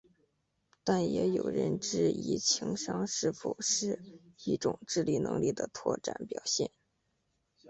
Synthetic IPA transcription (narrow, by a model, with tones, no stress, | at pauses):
t̪a˥˩njɛ˧˥jo˨˩ʊɻə̰˧˥nʈ͡ʂɻ̩˥˩ḭ˧˥t͡ɕʰi˧˥ŋʂɑ˥ŋʂɻ̩˥˩fo̰˨˩ʊʂɻ̩˥˧i˥˩ʈ͡ʂʊ˨˩ŋʈ͡ʂɻ̩˥˧li˨˩nɤ̰˧˥ŋli˥˩d̪ə˩t̪ʰwɔ̰˥˩ʈ͡ʂa̰˨˩˦npjɑ˨˩ʊɕjɛ̰˥˩n